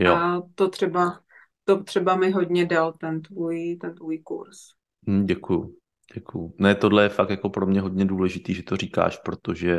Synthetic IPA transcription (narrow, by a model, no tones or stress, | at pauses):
jat̪ot̪r̥ɛba | t̪ot̪r̥ɛbamɪɦodɲɛdalt̪ɛnt̪vujit̪ɛnt̪vuːjkṵɾs | mm̩ɟɛkuju | ɟ̥ɛkujunɛt̪o̞dlɛjɛfak̚t̪jakopɾomɲɛɦo̞dɲɛduːlɛʒɪt̪iːʒɛt̪oriːka̰ːʃpɾot̪oʒɛ